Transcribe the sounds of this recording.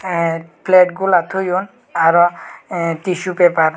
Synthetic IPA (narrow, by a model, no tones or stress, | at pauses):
plɛʈɡulat̪ʰojon | aɾɔ | t̪iʃupepaɾ